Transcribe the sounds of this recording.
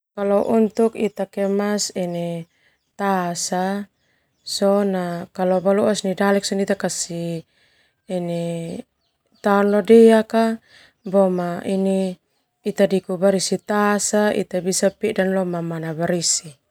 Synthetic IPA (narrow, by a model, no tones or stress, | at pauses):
kalɔʔunt̪ukit̪akɛmasɛnɛ | t̪asa | sɔnakalɔbaluasnidalɛksɔnit̪akasi | ɛne | t̪aɔnlɔdɛaka | bɔmainiː | t̪adikubaɾisit̪asaḭt̪abisapidanlɔmamanabaɾisi